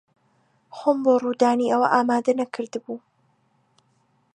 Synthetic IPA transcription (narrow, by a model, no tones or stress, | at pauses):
xomboːruːd̪aːniɐwɐ̰ʔaːmaːd̪ɐnɐkʰɨɾd̪ɨbuː